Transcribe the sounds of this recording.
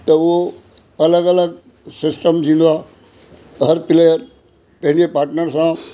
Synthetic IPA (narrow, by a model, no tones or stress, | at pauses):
t̪ɐʊɦo | ɐləɡɐləɡ | sɪsʈəmd͡ʑĩnd̪aː | ɦəɾpɪlejəɾ | pɐ̃ɦɪ̃ɲd͡ʑepaːɾʈnəɾsã